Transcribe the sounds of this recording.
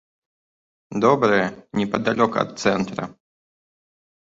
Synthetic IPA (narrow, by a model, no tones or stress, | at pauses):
d̪ɔbɾɨjɛnʲɛpɐd̪alʲɔkɐ̰t̪̚t̪sɛnt̪ɾɐ̰